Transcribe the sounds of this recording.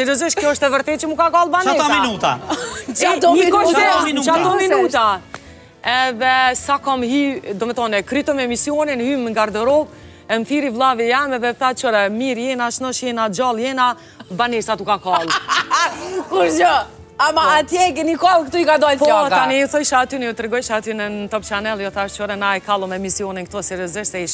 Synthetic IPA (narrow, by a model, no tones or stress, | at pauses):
sɛɾɔziʃtkkjɔəʃt̪ɛvəɾt̪ɛt̪t͡ʃəmukakalˠbanɛɔmianut̪at͡ʃat̪ɔkɔɛɔmt͡ʃat̪ɔminut̪a | ɛðɛsakɔmɦid̪ɔmɛθɔnɛkɾyt̪ɔmɛmisijɔninhyməŋɡaɾd̪ɛɾɔp | ɛnfiɾivlˠavijɛmɛðɛθat͡ʃɔɾɛmiɾjɛnaʃnɔʃjɛnad͡ʒalˠjɛna | baniɾsat̪ukakalˠu | kuɾɔ | amaat̪jɛkɛnikɔlˠkt̪uikad̪ɔlpɔjɔt̪aniuθɔjʃaat̪ynɛjut̪ɾɛɡɔjʃat̪ynənt̪ɔpt͡ʃanɛlˠjɔθaəʃt̪t͡ʃɔɾɛnaɛkalˠɔmɛmisiɔnink̚t̪ɔsɛɾjɔzɪʃsɛiʃ